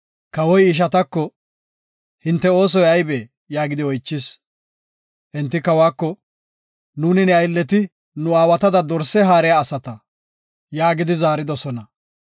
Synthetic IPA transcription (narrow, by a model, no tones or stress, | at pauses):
kɐwɔjɪʃ̬ɐt̪ɐkːɔ | hɪnt̪ːɛo̞ːs̬ɔjɐjbeː | jaːɡɪd̪ɪɔjt͡ʃːɪs | ʔɛnt̪ːɪkɐwaːkːɔ | nuːnɪnɛɐjlːɛt̪ɪ | nʊaːwɐt̪ɐd̪ɐd̪ɔɾsːɛɦaːɾɛjaːsɐt̪ɐ | jaːɡɪd̪ɪzaːɾɪd̪ɔsɔnɐ